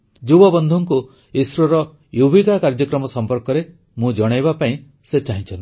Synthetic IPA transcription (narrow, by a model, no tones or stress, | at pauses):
d͡ʒubɔbɔnd̪ʱɔŋku | isɾɔɾɔ | jubʱikakaɾd͡ʒɔkɾɔmɔsɔmpɔɾkɔɾe | mũd͡ʒɔɽ̃ajβapaĩ | set͡ʃaɦĩt͡ʃʰɔnt̪i